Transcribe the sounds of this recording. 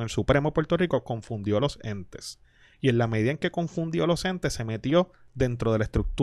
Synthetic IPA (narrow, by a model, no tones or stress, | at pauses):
elsupɾe̞mopwe̞ɾt̪o̞riko̞ko̞ɱfund̪jo̞lo̞se̞nt̪e̞̥s | ie̞nlame̞ðiðaeŋke̞ko̞ɱfund̪jo̞lo̞se̞nt̪e̞sːe̞me̞t̪jo̞ | ðe̞nt̪ɾo̞ð̞e̞laest̪ɾuk̚t̪